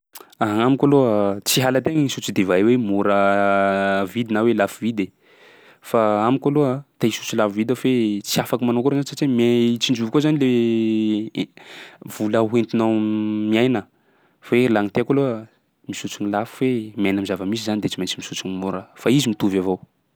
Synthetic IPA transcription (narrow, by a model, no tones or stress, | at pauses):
aɦamikʲaloət͡siɦalət̪eŋisut͡sud̪evaewemuɾə | vid̪inawelafivid̪e | faamikʲaloat̪eisu̥t͡sulafivid̪afet͡siafakimanokoɾozanisat͡ʃemet͡sind͡ʒuvkozanile | v̥uləɦent̪inamiajnə | velaŋit̪eakaloə | misut͡sunilafu̥wemajnamizavəmizizanid̪et͡simant͡simisut͡sunimuɾəfaizimit̪uvavow